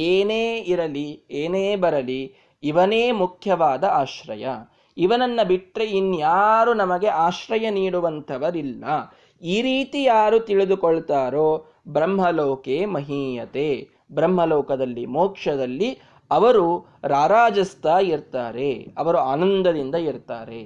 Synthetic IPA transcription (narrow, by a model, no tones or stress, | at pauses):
eːneːiɾɐlieːneːbɐɾɐliː | ʋɐneːmukʰjɐʋaːd̪ɐaːʃɾɐ̰jɐ | iʋɐnɐnːɐbiʈɾe̞inːujaːɾunɐmɐɡe̞ʔaːʃɾɐjɐniːɽuʋɐnt̪ʰɐʋɐɾilːɐ | iːɾiːt̪ijaːɾut̪iɭid̪ukɔɭt̪aːɾoː | bɾɐmɦɐloːkeːmɐɦiːjɐt̪eː | bɾɐm̤ːɦɐlɔːkɐd̪ɐlːimoːkʂɐd̪ɐlːi | ɐʋɐɾu | ɾaːɾaːd͡ʒɐst̪aːiɾt̪aːɾeɐʋɐɾuaːnɐnd̪ɐd̪ind̪ɐiɾt̪aːɾḛ